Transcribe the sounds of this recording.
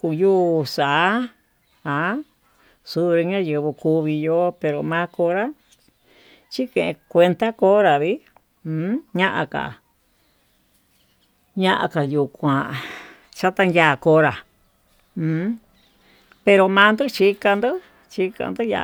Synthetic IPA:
ku˧juː˦˧˨sa˨˦ | a˨˧˦ | su˧˦ɾi˧ɲã˦jɨ˧βɨ˧ku˧βi˧jo˧pe˧ɾo˨mãː˧˦ko˧˦ɾa˦ | t͡ʃi˦kẽ˨ʔẽ˧kʷe˧nt̪a˦ko˦ɾa˨βĩ˦˧˦ | ɲã˦ʔa̰˧ka̰˨ | ɲã˦ʔa̰˧ka˨ju˨kʷã˨ | t͡ʃa˦t̪a˧njaː˦˧˨ko˧˦ɾa˨˧˦ | pe˧ɾo˧mã˧˦nd̪u˦t͡ʃi˦ka˧nd̪o˦ | t͡ʃi˧˦ka̰˧nd̪o˦ja̰˧

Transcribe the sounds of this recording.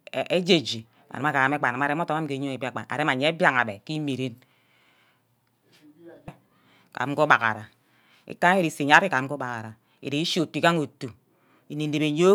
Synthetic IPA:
e˦d͡ʒe˦˨d͡ʒi˨ | a̰˨na˨ma˦ka˨a˨m˦e˦k͡pa˨ma˨ɾe˦o˦to˦m˦a˦m̩˦ke˨˦ɲo˦e˨bi˦a˨k͡pa̰˨na̰˨ɾe˦ma˨ɲe˨˦e˦bja˦˨ŋ˨a˨be˨ki˦me˨ɾe˦n | ka̰˨˦ko˦ɓa˨ka̰˨ɾa˨ | ḭ˦ka˦ŋ˦e˦ɾi˨se˨ɲa˦i˦ka˨˦ko˦ba˨ka˨ɾa˨ | ḭ˨ɾe˨i˦ʃo˨tu˨i˨ka˦ŋo˨tu˨ | i˨ni˨n˦de˨be˨ɲo˦

